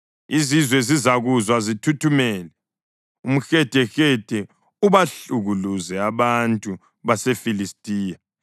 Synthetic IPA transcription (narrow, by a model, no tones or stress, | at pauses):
izizwɛzizaɣuzwazitʰutʰumɛːlɛ | um̩xɛd̥ʱɛxɛd̥ʱɛ | uβaɬuɣuluzɛaβantʼu | βasɛfilistʼiːja